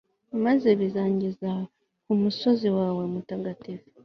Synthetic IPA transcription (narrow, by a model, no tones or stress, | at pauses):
maze̞βizaːɲɟiza | kumuso̞ziwaːwe̞mutaɡatifu̥